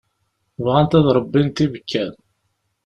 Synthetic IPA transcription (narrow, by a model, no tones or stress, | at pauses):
vʁænt̪æðɾˤəbːint̪ivəkːæð